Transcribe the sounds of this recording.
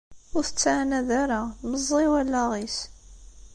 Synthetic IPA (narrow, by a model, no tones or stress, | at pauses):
ʊɾθət͡sːʕanæðaɾaməzˤːiwælːæʁis